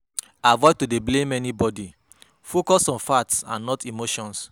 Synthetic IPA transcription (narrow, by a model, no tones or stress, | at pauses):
avɔɪvtodeblẽmɛnibɔdi | fokɔsɔ̃nfatsã̰nːɔtimoʃɔ̃ns